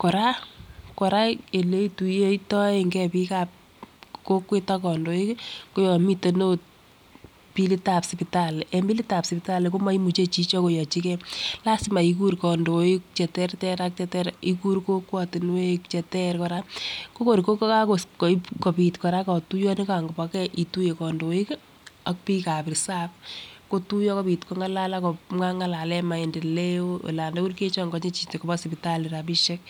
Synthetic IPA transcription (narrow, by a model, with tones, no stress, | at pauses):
kɔ˨ɾa˦kɔ˨ɾa˦e˨le˦tu˨je˦i˦tɔ˦e˨ŋɡɛ˦pika˨p̚ | ko˦kwe˦ta˦kɔ˨ndo˨i˦kko˦jɔ˨mi˦to˨no˦t̚ | pi˦li˦ta˨psipi˨ta˦lɛmbi˦li˦ta˨psi˨pɪta˦le˨ko˦ma˦i˦mu˨t͡ʃe˦t͡ʃi˦t͡ʃɔ˦ko˨jɔ˨t͡ʃikɛla˦sima˨iku˦ɾkɔ˨ndo˨ikt͡ʃɛ˨tɛ˦ɾtɛɾak̚t͡ʃɛtɛɾi˦ku˦ɾko˦kwɔ˨tɪ˨nwe˦kt͡ʃɛ˨tɛ˦ɾkɔ˨ɾa˦ko˦ko˨ɾiko˦kka˦ko˨ko˨pkɔ˨pi˨tkɔ˨ɾa˦kɔ˨tu˦jɔ˦nika˨ŋɡo˨pa˨kɛ˦ʔi˨tu˦je˨kɔ˨ndo˨i˦k | a˦k̚pi˦ka˨pɪ˨sa˦p̚ko˦tu˦jɔ˦kɔ˦pi˨tko˦ŋa˦la˦la˦kɔ˨a˦ŋa˦la˨lɛ˦ma˨ende˨le˦o˦ḛ˨la˨ndo˦ku˦ɾke˦t͡ʃɔ˦ŋɡɔ˦ɲe˦t͡ʃi˨tkoba˦si˨pi˨tali˨ɾa˨piʃe˦k̚